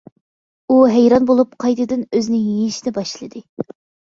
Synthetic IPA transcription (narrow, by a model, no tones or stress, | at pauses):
uɦæjɾɑnbolˠup̚qʰɑjd̪ɨd̪ɨnøzɪnɪŋjiʃid̪ɛbɑʃlˠɨd̪ɨ